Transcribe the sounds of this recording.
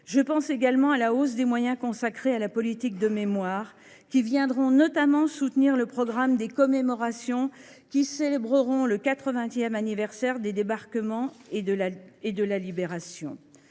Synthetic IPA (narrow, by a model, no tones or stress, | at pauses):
ʒəpɑ̃seɡalmɑ̃alaos̬d̪emwajɛ̃kɔ̃sakχealapɔlit̪ik̚d̪əmemwaʁ | kʲivjɛ̃d̪ʁɔ̃nɔt̪amɑ̃sut̪niʁləpχɔɡʁamd̪ekɔmemɔʁasjɔ̃ | kʲiselebʁəʁɔ̃ləkat̪χəvɛ̃t̪jɛmanivɛʁsɛʁd̪ed̪ebaʁkəmɑ̃ | ed̪əlalibeʁasjɔ̰̃